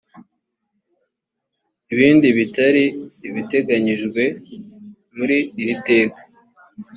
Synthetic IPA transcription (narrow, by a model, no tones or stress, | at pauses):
iβiːndiβitaɾiːβite̞ɡaɲiʒɡwe̞ | muɾiːɾite̞ːkḁ